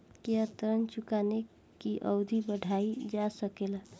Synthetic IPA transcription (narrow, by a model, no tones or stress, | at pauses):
keət̪əɾənt͡ʃukane | kiʔə̰wd̪ʱibəɽʱaid͡ʒasəkela